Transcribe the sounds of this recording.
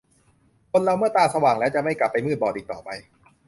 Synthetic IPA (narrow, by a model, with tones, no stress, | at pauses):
kʰo˧nɾa˧wmɯ˥˩ɐt̪aː˧sa˧waː˨˩ŋlɛː˦˥wt͡ɕa˨˩ʔma˥˩jkla˨˩pːa˧jmɯː˥˩t̪̚bɔː˨˩ʔiː˨˩k̚t̪ɔ̰ː˨˩pa˧j